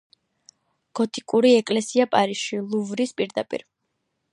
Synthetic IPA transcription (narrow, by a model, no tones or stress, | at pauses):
ɡ̥ɔt̪ʰikʼuɾiɛkʼlɛsiapʼaɾisʃilˠuvɾispʼiɾd̪apʼḭɾ